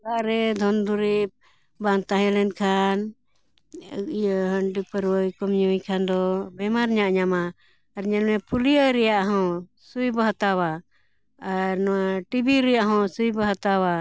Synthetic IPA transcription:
aʔɾɛd̪ʱɔnd̪uɾip̚ | bant̪aɦɛlɛnkʰan | jɦəɳɖipəɾwəjkɔmɲɔwikʰand̪ɔbɛmaɾɲaʔɲamaː | ɾɲɛlmɛpulijəɾɛjaʔɦɔ̃ | sujbəɦat̪awaː | ɾnɔwaʈibiɾɛjaʔɦɔ̃sujbəɦat̪awa

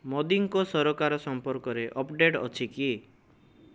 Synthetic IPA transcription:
mɔd̪iŋkɔsɔɾokaɾɔsɔmpɔɾkɔɾeʔɔpɖeʈɔ̰t͡ʃʰiki

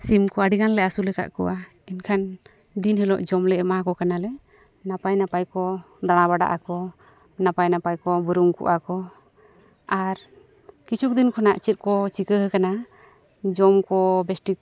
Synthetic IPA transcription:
simkɔaɖiɡanlɛasulɛka̰ʔkɔ̰wa | inkʰan | d̪inhɛlɔʔd͡ʒɔmlɛɛmakɔkanalɛ | napajnapajkɔ | d̪aɽ̃abaɖa̰ʔakɔ | napajnapajkɔbəɾuŋkṵʔakɔ | aɾ | kit͡ʃʰuk̚d̪inkʰɔnaʔt͡ʃɛt̪̚ˀkɔt͡ʃikəɦəkana | d͡ʒɔmkɔbɛsʈik

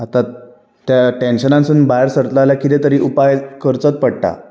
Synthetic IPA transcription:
at̪a | t̪jaʈenɕənãnsunbajɾsəɾt̪laljakit̪et̪əɾiːʔupajkəɾt͡sət̪̚pəɽʈa̰

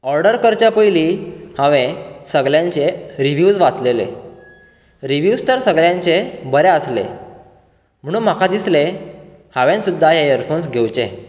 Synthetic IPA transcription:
ɔɾɖəɾkəɾt͡ɕjapəjliːhãʋẽsəɡɭjãɲt͡ɕeɾiʋjud͡zʋat͡slelḛ | ɾiʋjust̪əɾsəɡɭjãɲt͡ɕebəɾeəslḛ | m̤əɽ̃uːnm̤akad̪isle | haʋãnsud̪ʱːajajəɾfons̬ɡʱewt͡ɕḛ

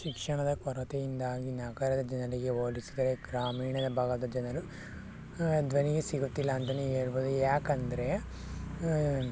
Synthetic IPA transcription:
ʃikʂɐɳɐd̪ɐkɐɾɐt̪ejind̪aːɡinaːɡɐɾɐd̪ɐd͡ʒɐnɐliɡe̞oːlisid̪ɐɾeɡɾaːmiːɳɐd̪ɐbʱaːɡɐd̪ɐd͡ʒɐnɐlu | d̪ʋɐniɡesiɡut̪ːilːɐːnt̪ɐneeːɾboːd̪ujaːkɐnd̪ɐɾe

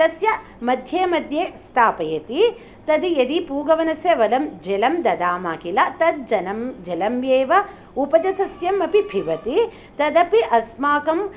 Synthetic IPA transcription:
t̪ɐsjɐ | mɐd̪ʱjeːmɐd̪ʱjeːst̪ʰaːpɐjɐt̪i | t̪ɐd̪ijɐd̪ipuːɡɐʋɐnɐsjɐʋɐlɐmd͡ʒelɐmd̪ɐd̪aːmaːkilɐt̪ɐd̪̚d͡ʒɐnɐmd͡ʒelɐmjeːʋɐ | upɐd͡ʒɐsɐsjɐmɐpibʱiʋɐt̪i | t̪ɐd̪ɐpiʔɐsmaːkɐm

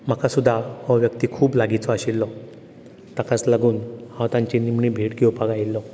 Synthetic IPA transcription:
m̤akasud̪ʱːahɔʋjəkt̪iːkʰuːplaɡit͡sɔaɕilːɔ | t̪akat͡slaɡuːnhãt̪ãɲt͡ɕinimɳiːbʱeʈkiɔpaɡajilːɔ

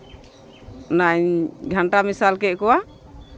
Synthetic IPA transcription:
naɲɡʱaɳʈamisalkɛʔkɔwa

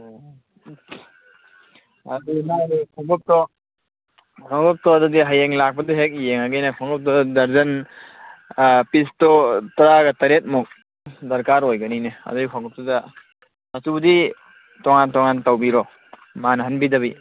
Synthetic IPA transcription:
ɐdinakʰɔŋɡɔp̚tɔ | kʰɔŋɡɔp̚tɔɐdɔdiɦajeŋlak̚pɐdɔɦek̚jeŋaɡejnekʰɔŋɡɔp̚tɔdɐɾzɐn | pistɔtɐɾaɡɐtɐɾet̚mɔk̚ | dɐɾkaɾojɡanineɐ̰dɔdikʰaŋɡɔp̚tɔda | mɐtubɐdi | tɔŋantɔŋantawbiɾɔ | manɐɦɐnbidɐβi

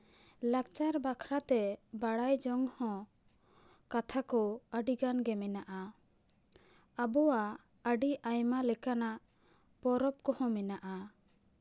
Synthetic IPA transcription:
lak̚t͡ʃaɾbakʰɾat̪ɛbaɽajd͡ʒɔŋhɔ̃ | kat̪ʰakɔəɖiɡanɡɛmɛnaʔa | abɔwa | əɖiʔajmalɛkanaʔ | pɔɾɔp̚kɔhɔ̃mɛnaʔa

